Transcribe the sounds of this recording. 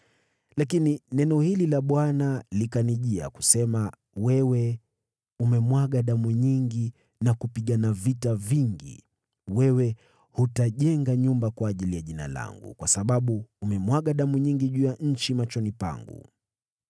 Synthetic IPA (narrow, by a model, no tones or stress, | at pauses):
lakininɛnɔhililaɓwanalikaniʄia̰ku̥sɛma | wɛwɛ | umɛmwaɠaɗamuɲiŋɡi | nakupiɠanavitaviŋɡḭ | wɛwɛ | hutaʄɛŋɡaɲumbakwaːʄilijaʄina̰la̰ŋɡṵkwasaɓaɓuːmɛmwaɠaɗamuɲiŋɡiʄujaɲ̩t͡ʃimat͡ʃɔnipa̰ŋɡṵ